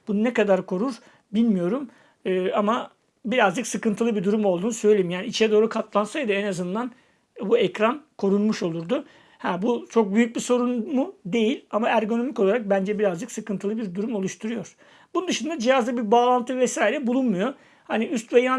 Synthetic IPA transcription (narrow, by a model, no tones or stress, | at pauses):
b̥ununekad̪aɾkʰo̞ɾuɾ | bilʲmijo̞ɾum | ɯːama | biɾazd͡ʒɯksɯkɯnt̪ʰɯlˠɯbid̪uɾumolˠd̪uːnusø̞jlʲejimjaːniit͡ʃʰɛd̪o̞ːɾukʰat̪lˠansajd̪ɯenazɯnd̪an | buɛcɾankʰo̞ɾunmuʃo̞lˠuɾd̪ʊ | hæːbut͡ʃʰo̞k̚byjyc̚biso̞ɾunmud̪e̞jilʲamaæɾɡo̞no̞miko̞lˠaɾak̚bænd͡ʒɛbiɾazd͡ʒɯksɯkɯnt̪ɯlˠɯbiɾd̪uɾumo̞lˠuʃt̪ʰuɾujo̞ɾ̥ | bunund̪ɯʃɯnd̪ad͡ʒijazd̪abiɾbaːlˠant̪ʰɯvɛsaːilʲɛbulˠunmujo̞ | haniyst̪veja